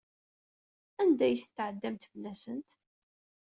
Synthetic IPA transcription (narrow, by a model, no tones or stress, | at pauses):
ænd̪æjθə̥t̪ːʕəd̪ːæmt̪fəlːæsənt̪